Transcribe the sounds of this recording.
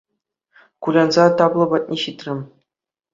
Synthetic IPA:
kulʲɑnzɑt̪ɑblˠɤ̆bɑt̪̚ʲnʲeɕit̪ʲrʲɘ̆mʲ

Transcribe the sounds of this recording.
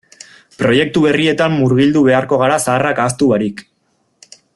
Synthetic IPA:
pɾo̞je̞k̚t̪uβe̞rie̞t̪amːuɾɣild̪uβe̞aɾko̞ɣ̞aɾasaːrakast̪uβaɾik

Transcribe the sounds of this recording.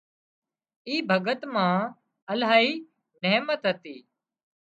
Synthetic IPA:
iːbʱəɡət̪mãː | əlaːɦiː | neːmət̪ɦət̪iː

